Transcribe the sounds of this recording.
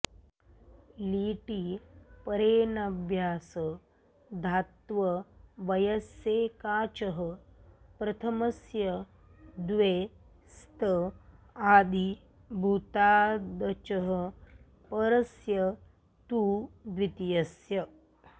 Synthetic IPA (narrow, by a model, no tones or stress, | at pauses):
liːʈipɐɾeːnɐbʱjaːsə | d̪ʱat̪ʋɐʋɐjɐsjeːkaːt͡ʃɐɦəpɾɐt̪ʰɐmɐsjɐ | d̪ʋeː | st̪ɐ | aːd̪ʱi | bʱut̪aːd̪ɐt͡ʃɐɦə | pɐɾɐsjɐ | t̪uːd̪ʋit̪jɐsjɐ